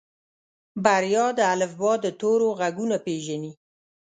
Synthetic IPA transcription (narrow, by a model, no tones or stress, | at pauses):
baɾjɑd̪əalɪfbɑd̪ət̪oɾoɣaɡunapeʒani